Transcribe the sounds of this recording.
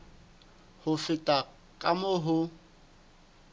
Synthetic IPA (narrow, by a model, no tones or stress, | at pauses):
hʊfɪtʼa | kʼamʊɦʊ